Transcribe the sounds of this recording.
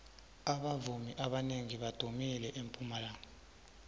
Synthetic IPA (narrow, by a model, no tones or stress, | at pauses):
aɓavumiʔaɓaneŋiɓad̥ʱomilɛʔempʼumalaːŋa